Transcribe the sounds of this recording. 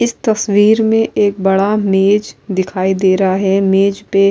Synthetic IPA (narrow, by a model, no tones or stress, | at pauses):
ɪst̪ɐswiːɾmẽʔeːk̚bɐɽameːd͡ʒd̪ɪkʰaːid̪eːɾɦaɦɛmeːd͡ʒpe